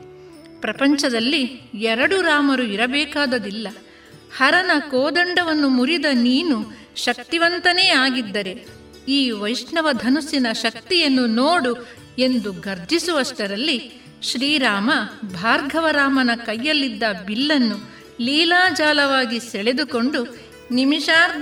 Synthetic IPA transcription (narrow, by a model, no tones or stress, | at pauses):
pɾɐpɐɲt͡ʃɐd̪ɐlːiɛɾɐɽuɾaːmɐɾuiɾɐbɛːkaːd̪ɐd̪ilːɐ | hɐɾɐnɐkoːd̪ɐɳɖɐʋɐnːumuɾid̪ɐniːnu | ʃɐk̚t̪iʋɐnt̪ɐneːaːɡid̪ːɐɾe̞ | iːʋɐjʂɳɐʋɐd̪ʱɐnusinɐʃɐkt̪ijɐnːunoːɽu | e̞nd̪uɡɐɾd͡ʒʱisuʋɐʂʈɐɾɐlːi | ʃɾiːɾaːmɐbʱaːɾɡʱɐʋɐɾaːmɐnɐkɐjːɐlːid̪ːɐbilːɐnːu | liːlaːd͡ʒaːlɐʋaːɡisɛɭed̪uko̞ɳɖu | nimiʃaːɾd̪ʱ